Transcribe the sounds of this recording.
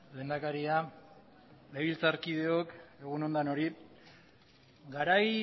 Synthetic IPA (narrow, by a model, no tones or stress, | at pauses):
le̞nd̪akaɾia | leβilt͡saɾkið̞e̞o̞ke̞ɣ̞uno̞nd̪ano̞ɾi | ɡaɾaj